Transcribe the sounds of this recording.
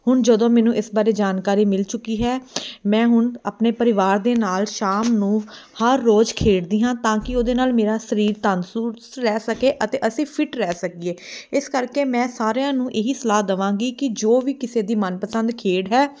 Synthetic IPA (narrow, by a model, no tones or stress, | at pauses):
hʊɳd͡ʒəd̪õːmɛːnũːʔɪsbaːɾeːd͡ʒaːnkaːɾiːmɪlt͡ʃʊkːiːɦɛːmɛ̃ːɦʊɳaːpneːpəɾɪʋaːɾd̪eːnaːlʃaːmnũːhəɾːoːd͡ʒkʰeːɽd̪iːɦãːt̪ãːkɪoːd̪eːnaːlmeːɾaːsəɾiːɾt̪ənsuː | ɾɛːsəkeːʔət̪eːʔəsĩːpʰɪʈɾɛːsəkieːɪskəɾkeːmɛ̃ːsaːɾejãːnũːʔeɦiːsəlaːd̪əʋãːŋɡiːkɪd͡ʒoːʋiːkɪseːd̪iːmənpəsə̃nd̪kʰeːɽɦɛː